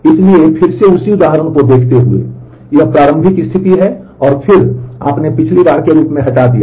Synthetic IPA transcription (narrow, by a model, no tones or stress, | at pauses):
ɪsliepʰɪɾseʊsiʊd̪aːɦɾəñkod̪eːkʰt̪eɦuḛ | jɐɦpɾaːɾə̃mbʱɪkɪst̪ʰɪt̪iɦɛɔːɾpʰɪɾa̰ːpnepɪt͡ʃʰlibaːɾkeɾuːpmẽɦɐʈad̪ija̰ː